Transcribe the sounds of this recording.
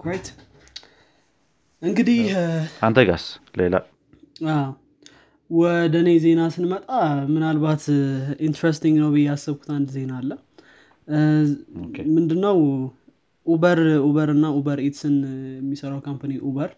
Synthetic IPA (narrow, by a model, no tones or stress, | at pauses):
ajt̪ | ʔɨŋɡɨd̪ihʔant̪ʰəɡa̰slela̰ | aw | wɔd̪əne̞ze̞nasɨnmət̪ʼamɨnalbat̪int̪ɾest̪iŋɡnəwbɨjɛasːɨβku̥t̪ʰand̪ze̞nalːə | mɨnd̪ɨnːəw | ʔubəɾuβəɾɨnːaubəɾet̪sɨnjɛmːisəɾawkʰampaniʔuβəɾ